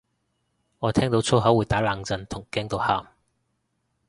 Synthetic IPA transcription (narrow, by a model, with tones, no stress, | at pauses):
ŋɔː˨˧t̪ʰɛː˥ŋt̪o˨˥wt͡sʰo˥wɦɐ˨˥wuː˨˧jt̪aː˨˥laː˨˧ŋt͡sɐ˨nt̪ʰʊ˨˩ŋkɛː˨˥ŋt̪o˨˧wha̰ː˨m